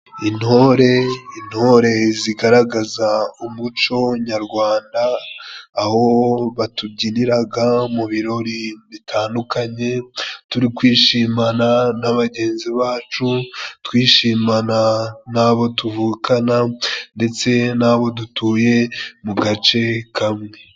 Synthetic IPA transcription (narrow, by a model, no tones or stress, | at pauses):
inho̞ɾe̞in̥ho̞ɾe̞ziɡaɾaɡazaumut͡ʃo̞ɲaɾɡwaːndaː | ho̞βatubɟiniɾaɡamuβiɾo̞ɾiβitʰaːndukaɲe̞tuɾikwiːʃiːmananaβaɟe̞ːnziβaːt͡ʃutwiːʃiːmananaβo̞tuvuːkanande̞t͡se̞naβo̞dutuːje̞muɡat͡ʃe̞kʰamŋe̞